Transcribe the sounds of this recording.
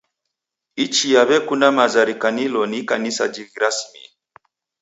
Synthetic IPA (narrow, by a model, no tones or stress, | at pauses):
it͡ʃijaβɛkunamazaɾikanilɔnikanisa̰d͡ʒiɣiɾasmḭ